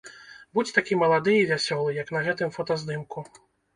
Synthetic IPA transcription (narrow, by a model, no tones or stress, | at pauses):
bud͡zʲt̪akʲimɐlˠad̪ɨivʲasʲɔlˠɨjɐknɐɣɛt̪ɨmfɔt̪ɐzd̪ɨmku